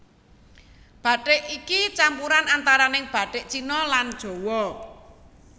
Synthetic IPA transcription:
b̥ä̤ʈɪʔikit͡ʃampuɾanant̪aɾanɪŋb̥a̤ʈɪʔt͡ʃinɔland̥ʒ̥o̤wɔ

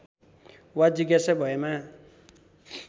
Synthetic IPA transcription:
wad͡ziɡjasabʱʌema

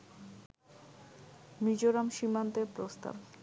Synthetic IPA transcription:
mid͡ʑoɾamʃimant̪epɾost̪a̰b

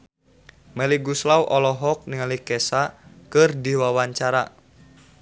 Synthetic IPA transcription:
mɛliɡuslawʔɔlɔɦɔk̚niŋalikɛsakɨrdiwawaɲt͡ʃaɾa

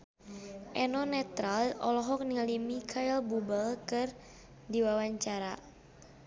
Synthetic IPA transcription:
ʔɛnɔnɛt̪ɾalɔlɔɦɔk̚niŋalimikʰailbubəlkɨr | diwawaɲt͡ʃaɾa̰

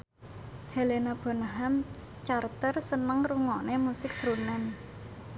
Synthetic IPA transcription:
helenab̥o̤naɦam | t͡ʃart̪ərsənəŋruŋɔnemusɪk̚sɾunɛn

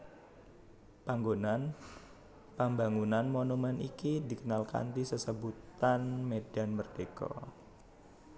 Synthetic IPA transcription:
paŋɡonan | pambaŋunanmonumɛnʔikidikənalka̰nt̪isəsəbut̪anmedanmərd̥ekɔ̰

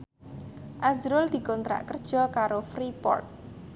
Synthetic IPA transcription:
ʔazɾʊld̪̥i̤kɔnt̪ɾa̰ʔkərd̥ʒ̥ɔ̤kaɾofɾipɔ̰rt̪̚

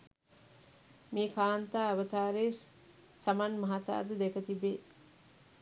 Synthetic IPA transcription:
miːkaːnt̪aːɐʋət̪aːɾeː | samanmɐɦat̪a̰ːd̪əd̪ekət̪ibeː

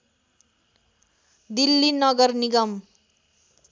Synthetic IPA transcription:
d̪ilːinʌɡʌrniɡʌm

